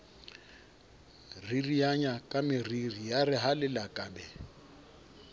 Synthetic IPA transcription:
ririjaɲakʼamɪririjarɪɦalɪlakʼaːbɛ

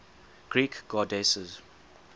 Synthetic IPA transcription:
ɡ̥ɹiːkɡ̥ɔdesəz

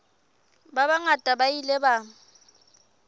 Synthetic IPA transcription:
babaŋatʼabailɛba

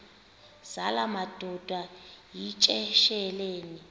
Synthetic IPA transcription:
z̥alamad̥ʱɔd̥ʱwajit͡ʃʼɛʃɛleːni

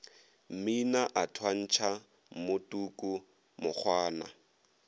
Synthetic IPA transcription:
m̩minaʔatʰwan̩t͡ʃʰa | mʊtʼuːkʼu | mʊk͡xʰwaːna̰

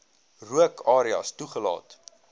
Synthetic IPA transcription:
ruəkʰɑːɾiɑ̰stuχəlɑ̰ːt

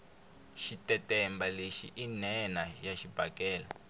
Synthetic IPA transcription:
ʃitɛtɛmbaleʃḭʔinɛnajaʃib̥ʱakɛːla

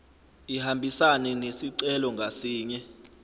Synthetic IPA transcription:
ihambʱisanɛnesiǀɛlɔŋɡʱasiːɲɛ

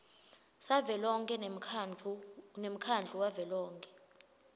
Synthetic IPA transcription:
savɛlɔŋkʼɛ | nem̩kʰand͡ɮʱuwavɛlɔːŋkʼɛ

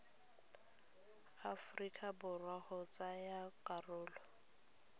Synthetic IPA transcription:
afrikʼabʊrwahʊt͡sʼajakʼarʊːlɔ

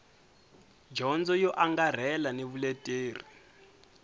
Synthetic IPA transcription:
d͡ʒɔnd͡zɔjɔʔaŋɡar̤ɛlaneβuletʼeːri

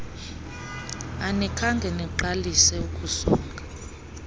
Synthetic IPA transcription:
anɛkʰaŋɡʱɛnɛǃalisɛukʼusuːŋkḁ

